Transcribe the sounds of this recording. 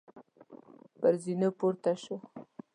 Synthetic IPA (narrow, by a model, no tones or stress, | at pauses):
pəɾzinopoɾt̪aʃo